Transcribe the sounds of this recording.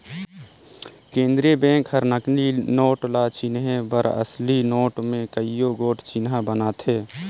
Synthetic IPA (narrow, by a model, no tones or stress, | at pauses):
kẽːnd̪ɾijəbẽːŋkɦəɾnəkninoːʈlaːt͡ʃinɦebəɾə̰slinoːʈmẽkəijoɡoːʈt͡ʃinɦabənaːt̪ʰɦeː